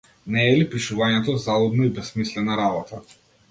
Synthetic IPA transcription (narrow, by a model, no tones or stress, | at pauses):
nɛːlipiʃuvaɲɛt̪ɔzalˠɔd̪nɔibɛsmislɛnaɾabɔt̪ʰa